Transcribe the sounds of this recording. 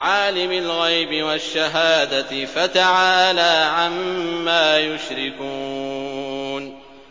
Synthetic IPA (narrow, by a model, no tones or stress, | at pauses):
ʕaːlɪmɪlɣajbɪwaʃːaɦaːd̪afat̪aʕaːlaːʕamːaːjʊʃɾɪku | n